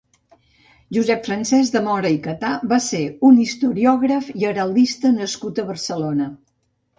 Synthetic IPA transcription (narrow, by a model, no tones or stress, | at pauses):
ʒuzɛpfɾənsɛzd̪əmɔɾəikət̪abaseunist̪uɾiɔɣ̞ɾəfiəɾəlˠd̪ist̪ənəskut̪əβəɾsəlonə